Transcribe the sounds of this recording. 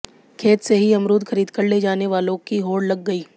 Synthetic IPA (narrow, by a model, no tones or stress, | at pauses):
kʰeːt̪seɦiɐmɾuːd̪xɐɾiːd̪kɐɾled͡ʒaːneʋaːlõkiɦoːɽlɐɡːɐiː